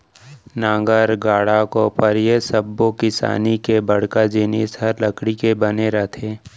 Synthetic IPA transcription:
nãːŋɡəɾɡaːɽakopəɾjesəbːokɪsa̰ːnikebəɽ̤kad͡ʒenesəɾləkɽikebəneɾɐɦt̪ʰeː

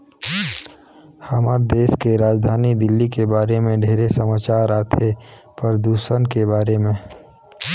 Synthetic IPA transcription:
həməɾd̪eːskeɾaːd͡ʒd̪ʱaːnid̪ɪlːikebaːɾemẽɖʱeːɾesəmaːt͡ʃaːɾaːt̪ʰepəɾəd̪uːʃənkebaːɾemẽ

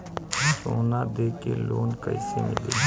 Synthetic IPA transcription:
soːnad̪eːkeloːnkə̰ɪsemɪleː

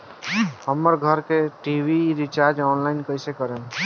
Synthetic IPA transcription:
ɦəmːəɾɡʱəɾkeʈiwiɾit͡ʃaɾd͡ʒɔːnlaɪnkəɪsekəɾen

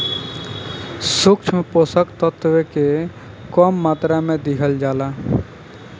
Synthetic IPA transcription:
sukt͡ʃʰmeposəkt̪ət̪weke | kɔmːaːt̪ɾamẽd̪ɪkʰəld͡ʒaːla

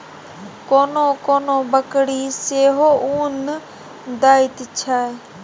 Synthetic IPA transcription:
koːnõːkoːnõːbəkɽiːseːɦoːʔuːn | d̪aːit̪ɪt͡ʃʰaːe

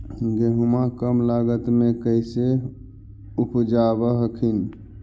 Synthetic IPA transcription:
d͡ʒeɦumakəmlaɡət̪mekəjse | upd͡ʒabəɦəkʰin

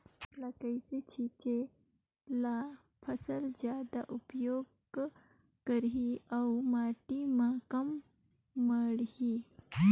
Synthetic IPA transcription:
lakəɪset͡ʃʰiːt͡ʃe | la | pʰɐsəld͡ʒjaːd̪a̰ʔʊpjoːɡ | kəɾɦiawmaːʈimãkɐmː | əɽhi

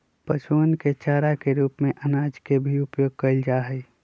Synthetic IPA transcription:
pət͡ʃuːnket͡ʃaːɾakeɾuːpmẽʔənaːd͡ʒkebʱiʊpjoːɡ̚kəld͡ʒaːɦəi

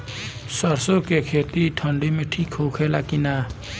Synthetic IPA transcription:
sʌɾsokekʰet̪iʈʰʌɳɖimeʈʰikɦokʰelakina

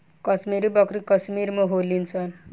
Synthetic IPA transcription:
kʌsmiɾubʌkrikʌsmiɾmʌ̃ɦolːint͡sʰʌ

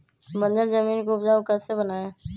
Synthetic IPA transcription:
bə̃nd͡ʒəɾzəmiːnkoːbd͡ʒaʊkət̪sebənaːẽː

